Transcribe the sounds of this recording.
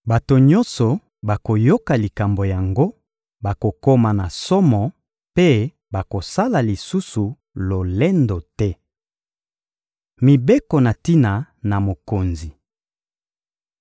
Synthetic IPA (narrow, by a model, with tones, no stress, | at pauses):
ba˨to˨ɲɔ̃˦nsɔ˨ | ba˨ko˨jo˦ka˨li˨ka˨mbo˨ja˨ŋɡo˦ | ba˨ko˨ko˦ma˨na˨sɔ˦mɔ˨ | pe˦ | ba˨ko˨sa˦la˨li˨su˦su˨ | lo˨lɛ˦ndo˨tɛ˦ | mi˨be˦kɔ˨na˨ti˦na˨na˨mo˨ko˨nzi˨